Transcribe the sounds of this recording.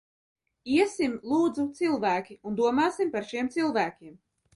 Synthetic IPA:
iɛsimlˠuːd̪zut̪silˠvæːkʲiund̪uɔmaːsimpaɾʃiɛmt̪silˠvæːkʲiɛm

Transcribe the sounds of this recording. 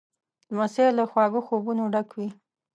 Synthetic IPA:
lmaselaxwɑɡoxobunoɖakwi

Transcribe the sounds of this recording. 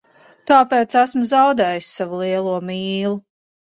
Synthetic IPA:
t̪aːpeːt̪sæsmuzawd̪ɛːjisːavulˠiɛlˠuɔmiːlˠu

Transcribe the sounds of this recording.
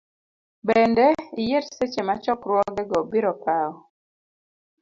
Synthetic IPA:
beɛndɛijeɾset͡ʃemat͡ʃɔkɾwɔɡɛɡɔbiɾɔpaɔ

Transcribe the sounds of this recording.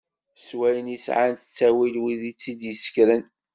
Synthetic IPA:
swæjənjisʕant̪t͡sːæwilwiðit͡sːid̪jəsə̥kɾən

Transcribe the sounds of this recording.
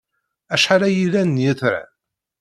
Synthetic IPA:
æʃħalæjilænːjiθɾa̰

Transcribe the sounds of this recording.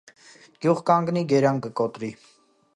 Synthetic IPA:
ɡ̥juʁkɑŋɡniɡɛɾɑŋkəkɔt̪ɾi

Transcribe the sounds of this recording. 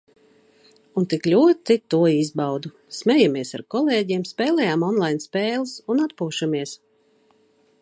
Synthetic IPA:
unt̪iklʲuɔt̪it̪ːuɔizbawd̪u | smʲɛjamiɛsa̰ɾkɔlˠeːɟiɛmspʲɛːlˠɛjaːmɔnlˠajnspɛːlˠɨsunat̪puːʃamiɛs

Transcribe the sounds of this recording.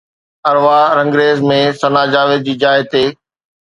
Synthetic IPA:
ɐɾʋaɾɐ̃ŋɡɾeːzmẽsɐnaːd͡ʑaːʋɪd̪̚d͡ʑiːd͡ʑaːɪt̪eː

